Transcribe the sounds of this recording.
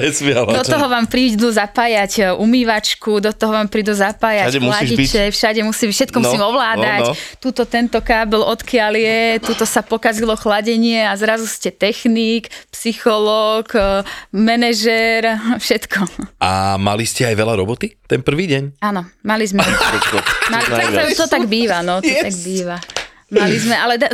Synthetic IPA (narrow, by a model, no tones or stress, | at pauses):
ɛsmɪɛld̪ɔt̪ɔɦɔʋaːmpɾiːd̪uzapaːjacumiːʋat͡ʃkud̪ɔt̪ɔɦɔʋaːmpɾiːd̪uzapaːjamlait͡ʃɛfʃaɟɛmusiːmfʃɛt̪̚kɔmusiːmɔʋlaːd̪at̪uːt̪ɔt̪ɛnt̪ɔkaːbɛlɔt̪kɪaljɛt̪uːt̪ɔsapɔkazilɔxlaɟɛɲɪɛazɾazuscɛt̪ɛxnikpsixɔlɔːk | mɛnɛʒɛɾfʃɛt̪kʰɔa̰ma̰liscɛajʋɛlaɾɔ̰bɔt̪it̪ɛnpr̩ʋiːɟɛɲanɔmalizmɛ | maliɔt̪ɔt̪aɡbiːʋanɔt̪ɔt̪aɡ̚biːʋa | malizmɛʔalɛd̪